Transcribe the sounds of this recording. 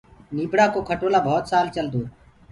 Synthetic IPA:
niːbɽaːkoːkʰəʈoːlaːbʱɔːt̪saːlt͡ʃəld̪oː

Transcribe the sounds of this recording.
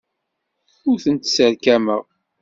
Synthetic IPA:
ʊɾθənt̪səɾkæməʁ

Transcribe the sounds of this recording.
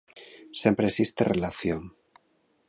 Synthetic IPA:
sje̞mpɾesist̪ḛrelaθjoŋ

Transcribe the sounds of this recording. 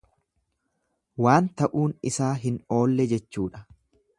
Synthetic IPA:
waːnt̪ɐʔuːnɪsaːɦɪno̞ːlːɛd͡ʒɛt͡ʃːuːᶑɐ̥

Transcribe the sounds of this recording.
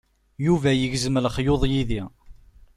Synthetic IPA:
juvæjəʝzəmələχjoðˤjiði

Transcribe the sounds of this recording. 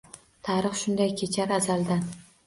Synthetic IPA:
t̪ʰaɾɨχʃʊnd̪ajkʲʰet͡ʃʰaɾazalˠd̪an

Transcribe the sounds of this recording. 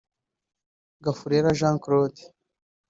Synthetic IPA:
ɡafuɾeɾaʒãːŋkɾoːd̪i̥

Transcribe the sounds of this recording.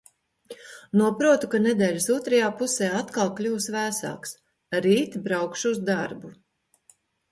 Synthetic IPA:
nuɔpɾuɔt̪ukaned̪ɛːʎʲsuɔt̪ɾajaːpuseːat̪kalˠklʲuːsvæːsa̰ːks | ɾiːt̪bɾawkʃuuzd̪aɾbu

